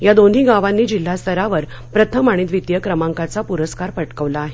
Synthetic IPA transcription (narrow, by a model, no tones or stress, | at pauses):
jad̪on̤ɦiːɡaʋanːiːd͡ʑil̤ːast̪ʰəɾaʋəɾ | pɾət̪ʰəmaɽ̃iːt̪ʋit̪jəkɾəmãŋkat͡sapuɾəskaɾpəʈkəʋlaːɦe